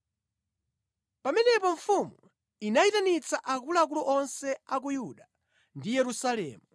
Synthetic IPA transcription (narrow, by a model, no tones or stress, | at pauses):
pamɛnɛpɔɱfumu | inaitanit͡saʔak̬ulak̬ulɔʔɔnsɛak̬ujuɗa | ndijɛɾusalɛ̰ːmu